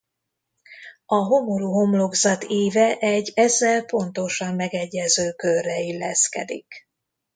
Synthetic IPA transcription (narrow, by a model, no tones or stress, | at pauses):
ɒɦo̞moɾuɦo̞mlo̞ɡzɒt̪eːvɛʔɛɟːɛzːɛlpo̞nt̪o̞ʃɒmːɛɡɛɟːɛzøːkørːɛilːɛskɛ̰d̪ḭk